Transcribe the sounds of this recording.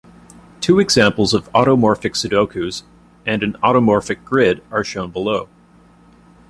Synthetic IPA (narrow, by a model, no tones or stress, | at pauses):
tʰʉɨɡzæ̃mpl̩ˠzʌvɑɾomɔɹfɨksɨdoʊkʰʉz | ɨ̃nɨ̃nɑɾəmɔɹfɨk̚ɡ̥ɹɪɾə˞ʃõʊ̃nbəloʊ